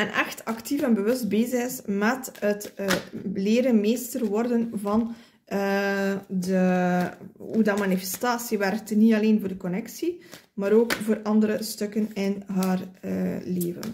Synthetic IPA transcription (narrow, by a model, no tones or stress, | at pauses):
ɛnʔɛ̰xtɑktifɛnbəwɵst̚beːzəɣɪsmɛtɦətː | leːɾənmeːstərʋɔrdənvɑn | də | udɑmanifɛ̥staːsiʋɛrtnitɑleːnvoːrdəkɔnɛksi | maːɾoːkvoːɾʔɑndəɾəstɵkənɪnɦaːrəleːvə̰n